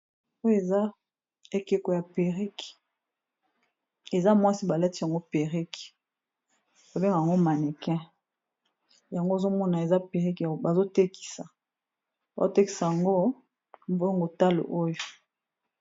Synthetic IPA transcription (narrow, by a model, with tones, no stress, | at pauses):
o˦je˨za˦ | e˦ke˦ko˨ja˨pe˨ʁi˦k | e˨za˦mwa˦si˦ba˨la˦ti˦a˨ŋɡo˦pe˨ʁi˦k | ko˨be˦ŋɡa˨ja˨ŋɡo˦ma˨ne˨kɛ̃˦ | ja˨ŋɡo˦e˨zo˦mɔ˦na˨e˨za˦pe˨ʁi˦kba˨zo˦te˦ki̥˨sa˨ | ba˨zo˦te˦ki̥˨sa˨ja˨ŋɡo˦ | m˦bo˦ŋɡo˨ta˦lo̰˨ʔo˦jo˨